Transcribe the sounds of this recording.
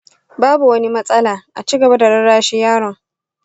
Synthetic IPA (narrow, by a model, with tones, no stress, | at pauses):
baː˦bu˨wɐ˦ni˦mɐ˦sʼɐ˦laː˨ʔa̰˨t͡ʃiː˦ɡɐ˨ba˦da˨ɽɐ˦ɽaː˦ʃi˦jaː˦ɽɔ˨ŋ